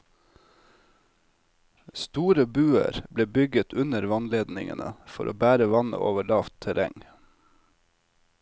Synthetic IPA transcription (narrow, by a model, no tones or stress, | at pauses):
st̪uːɾəbʉːə̰ɾbleːbʏɡət̪ʰʉnəɾʋɑnleːd̪nɪŋə̰nə̰fɔɾʔoːbæːɾəʋɑnə̰ʔoːʋəɭɑːft̪ʰəɾʔɛŋ